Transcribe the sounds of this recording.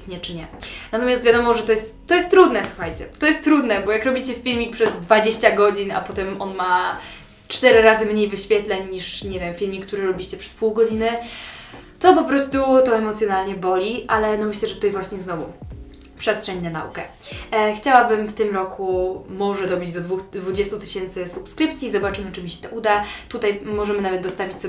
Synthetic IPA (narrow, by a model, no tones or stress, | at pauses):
ɲɛt͡ʂɘɲɛnat̪ɔmʲjast̪vjad̪ɔmɔʐɛt̪ɔjɛst̪ːɔjɛst̪ːɾud̪nɛswuxajt͡ɕɛt̪ɔjɛst̪ːɾud̪nɛbɔjakɾɔbʲit͡ɕɛffʲilmʲik̚pʂɛzd̪vad͡ʑeɕt͡ɕaɡɔd͡ʑina̰pɔt̪ɛmɔnma | t͡ʂt̪ɛɾɘɾazɘmɲejvɘɕfʲjɛt̪lɛɲɲiʂɲɛvʲjɛmfʲilmʲik̚ːt̪uɾɘɾɔbʲiɕt͡ɕɛpʂɛ̥spuwɡɔd͡ʑinɘ | t̪ɔpɔpɾɔst̪ut̪ɔɛmɔt̪sʲjɔnalɲɛbɔlʲiʔalɛnɔmɘɕlɛʐɛt̪u̥t̪ajvwaɕɲɛznɔvu | pʂɛst̪ʂɛɲnɛna̰ṵkɛxt͡ɕawabɘmft̪ɘmɾɔkʰumɔʐɛd̪ɔbʲid͡ʑd̪ɔd̪vud̪vud͡ʑɛst̪ut̪ɘɕɛnt̪sɘsupskɾɘpt̪sʲjiːzɔbat͡ʂɘmɘt͡ʂɘmʲiɕɛ̥t̪ɔʔud̪at̪ut̪ajmɔʐɛmɘnavɛt̪̚d̪ɔst̪avʲit͡ɕsɔ